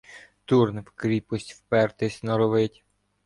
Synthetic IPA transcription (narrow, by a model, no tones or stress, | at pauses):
t̪urnwkɾʲipɔsʲtʲwpɛrt̪ɪsʲnɐɾɔʋɪtʲ